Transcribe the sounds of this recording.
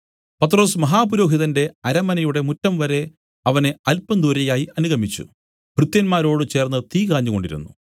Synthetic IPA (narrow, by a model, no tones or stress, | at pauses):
pɐt̪ːro̞ːsmɐɦaːpuɾo̞ːɦiðɐnde̞ɐɾɐmɐnɐjuɽe̞mutːɐmʋɐɾe̞ | ɐʋɐne̞ɐlpːɐnd̪ʱuɾɐjaːjiʔɐnuɣɐmit͡ɕːṵ | b̥ʱrɨt̪jɐnmaːɾo̞ːɽɨt͡ɕe̞ːrnːɨt̪iːkaːɲːuɣo̞ɳɖḭɾṵnːṵ